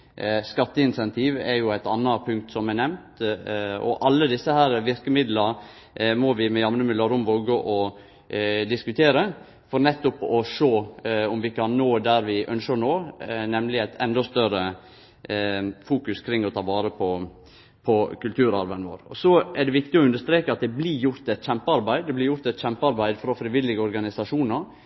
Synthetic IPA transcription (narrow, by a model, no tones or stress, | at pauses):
skɑt̪ːəɪnsɛnt̪ʰiːʋɛɾjʊæɪt̪ɑnːɑpʰʉŋk̚t̪sɔmæɛnɛmnt̪ | ɔ̰ʔɑlːəd̪ɪsːəhæːɾʋɪɾkəmɪd̪lə | mɔʋɪmɛjɑmnəmɪd̪əɾʊmʋoːɡəʔɔ | d̪ɪskʉt̪ʰeːɾə | fɔɾnɛt̪ːʊpɔʂoːɔmʋɪkʰɑnːoːd̪æɾʋɪʔœnʃəɾnoːnɛmlɪæɪt̪ʰɛnd̪ɔst̪œɾə | fuːkʉskʰɾɪŋːɔt̪ʰɑːʋɑːɾəpʰɔ | pʰɔkʉlt̪ʰʉːɾɑɾʋænəʋo̰ːɾɔ̰sɔæɖ̪ɛʋɪkt̪ɪɔʉnd̪əʂt̪ɾeːkəɑt̪̚d̪ɛblijʊɾt̪ɛt̪çɛmpəɑɾbæɪd̪d̪ɛblɪɾjʊɾt̪ɛt̪çɛmpəɑɾbæɪd̪fɾɔfɾɪʋɪlːɪɡəɔɾɡɑnɪsɑʂuːnəɾ